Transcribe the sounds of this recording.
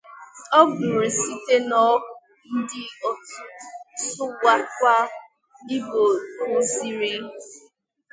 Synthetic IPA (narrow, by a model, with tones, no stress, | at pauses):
ɔ˦ɡu˨ɾe˨si˦te˦nɔ˦˨ | n̩˦dɪ˦ɔ˦˨˦ | sʊ˦wa˦kʷa˦ | i˦bo˨˦zi˨ɾi˦